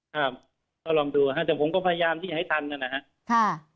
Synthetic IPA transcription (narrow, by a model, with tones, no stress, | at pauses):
kʰa˥˩p̚ | kɔː˥˩lɔː˧ŋduː˧a˧˩ɦa˦˥˩t̪ɛː˨˩ŋpʰo˩˦mkɔː˥˩pʰa˧ja˧jaː˧mt̪ʰiː˥˩t͡ɕa˩a˥˩t̪ʰa˧nka˧˩na˦˩kʰa˦˥ʔ | kʰa˧˥˩